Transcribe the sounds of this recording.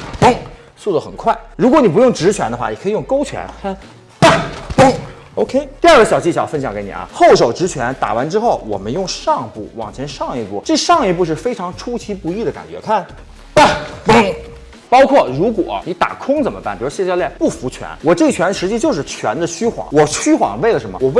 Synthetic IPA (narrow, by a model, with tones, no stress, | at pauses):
p̩˥˩ŋ | su˥˩d̪ə˩xə̰˨˩nkʰwa˥˩ɪɻu˧˥kwɔ˧˥ni˨˩p̬jʊ˥˩ŋʈ͡ʂɻ̩˧˥t͡ɕʰɥɛ˧˥nd̪ə˧xwa˥˩i˨˩kʰɤ˧˥i˨˩jʊ˥˩ŋko˥ʊt͡ɕʰɥɛ̰˧˥nkʰa˥˩n | pa˥˩o˥ŋ | o˧ʊkʰe˥ɪt̪i˥˧a˞˥˩ɡə˩ɕjɑ˨˩ʊt͡ɕi˥˩ɕjɑ˨˩˥fə˥nɕjɑ˧˩˥ŋke˧˥ɪnḭ˨˩ɐ̰˧˦xo˥˩ʊʂo˨˩ʊʈ͡ʂɻ̩˧˥t͡ɕʰɥɛ˧˥nt̪a̰˨˩wa˧˥nʈ͡ʂɻ̩˥xo˥˩ʊwɔ̰˨˩mə˦njʊ˥˧ŋʂɑ˥˧ŋpu˥˩wɑ̰˨˩ŋt͡ɕʰjɛ˧˥nʂɑ˥˧ŋi˧pu˥˩ʈ͡ʂɤ˥˧ʂɑ˥˧ŋi˥˧pu˥˧ʂ̬ɻ̩˥˩fe˥ɪʈ͡ʂʰɑ˧˥ŋʈ͡ʂʰu˥t͡ɕʰi˧˥pu˧˥i˥˩d̪ə˩ka̰˨˩nt͡ɕɥɛ˧˥kʰa˥˩n | pa˥˩p̩˥ŋ | pɑ˥ʊkʰwɔ˥˩ɻu˧˥kwɔ̰˨˩˦ni˧˥t̪a̰˨˩kʰʊ˥ŋt͡sə˨˩nmə˦pa˥˩npi˨˩˧ɕjt͡ɕjljɛ˥˧npu˥˩fu˧˥t͡ɕʰɥɛ̰˧˥nwɔ˨˩ʈ͡ʂɤ˥˩˧t͡ɕʰɥɛ˧˥nʂɻ̩˧˥t͡ɕi˥˧t͡ɕjo˥˧ʊʂɻ̩˥˩t͡ɕʰɥɛ˧˥nd̪ə˧ɕʰy˥xwɑ̰˨˩˦ŋwɔ˨˩t͡ɕʰy˥xwɑ̰˨˩˦ŋwe˥˩ɪlə˩ʂə˧˥mə̰˧wɔ˨˩we˥